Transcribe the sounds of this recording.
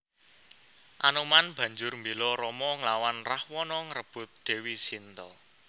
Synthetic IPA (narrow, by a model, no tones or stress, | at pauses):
ʔanomanb̥ä̤ɲd͡ʒʊrmbelɔɾɔmɔŋlawanrahwɔnɔŋəɾəb̥ʊ̤t̪̚d̥e̤wisint̪ɔ